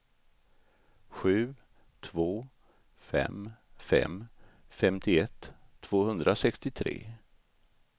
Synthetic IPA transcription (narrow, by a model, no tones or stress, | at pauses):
ɧʉ̟ː | t̪ʰvoː | fɛ̰mfɛ̰m | fɛmt̪ʰɪɛt̪ʰːv̥oːhɵnd̪ɾasɛkst̪ɪt̪ʰɾḛː